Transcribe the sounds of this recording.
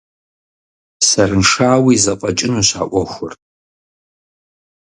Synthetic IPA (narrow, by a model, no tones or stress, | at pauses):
sɐrɨnʂaːwizɐqʼɐt͡ʃʼɪnuɕa̰ːʔʷɔxʷʊ̰r